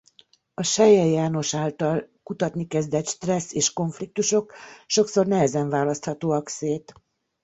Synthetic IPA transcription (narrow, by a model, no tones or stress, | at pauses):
ɒʃɛjɛjaːno̞ʃaːlt̪ɒlkut̪ɒt̪nikɛzd̪ɛt̪ʃt̪rɛsːeːʃko̞ɱflik̚t̪uʃo̞kʃo̞kso̞rnɛɦɛzɛɱvaːlɒst̪hɒt̪oːɒkseːt̪